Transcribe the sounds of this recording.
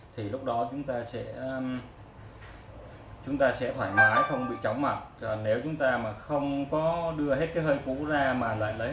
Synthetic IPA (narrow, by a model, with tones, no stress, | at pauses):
t̪ʰi˨˩lʊ˦˥k͡p̚ɗɔ˨˦t͡ɕʊ˨˦ŋ͡mt̪aː˧sɛ̰˧˥˧ | t͡ɕʊ˨˦ŋ͡mt̪aː˧sɛ̰˧˥t̪ʰwaː˧˩jmaː˨˦jxə˧wŋ͡mɓḭ˧˨t͡ɕɔ˨˦wŋ͡mma˨˩t̚ːne˨˦wt͡ɕʊ˨˦ŋ͡mt̪aː˧maː˨˩xə˧wŋ͡mkɔ˨˦ɗɨ˧əhe˦˥t̚kaː˨˦jhəː˧jkṵ˧˥zaː˧maː˨˩la̰ː˧˨jləː˨˦